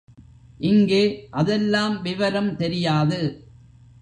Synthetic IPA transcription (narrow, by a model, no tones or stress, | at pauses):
ʔɪŋɡeːʔɐðɛlːaːmʋɪʋɐɾɐmt̪ɛɾɪjaːðɯ